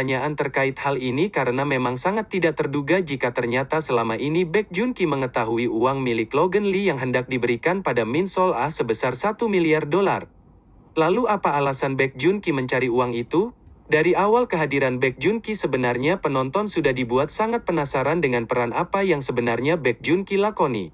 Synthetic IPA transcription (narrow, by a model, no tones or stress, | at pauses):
aɲaʔant̪ərkaɪt̪̚halinikaɾənamemaŋsaŋat̪ːidak̚t̪ərduɡad͡ʒikat̪ərɲat̪asəlamaʔinibɛk̚d͡ʒuŋkiməŋət̪aɦuiuaŋmilɪk̪loɡənlijaŋɦəndak̚dibəɾikanpadaminsɔlasəbəsarsat̪umiliardola̰r | laluapaːlasanbɛk̚d͡ʒuŋkiməɲt͡ʃaɾiuaŋit̪u | daɾiawalkəɦadiɾanbɛk̚d͡ʒuŋkisəbənarɲapənɔnt̪ɔnsudahdibuat̪̚saŋat̪̚pənasaɾandəŋanpəɾanapajaŋsəbənarɲabɛk̚d͡ʒuŋkilakonḭ